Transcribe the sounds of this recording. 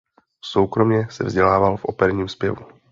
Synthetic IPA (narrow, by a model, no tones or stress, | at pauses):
so̞wkɾo̞mɲɛsɛ̰vzɟɛlaːvalfʔo̞̰pɛɾɲiːmspjɛvu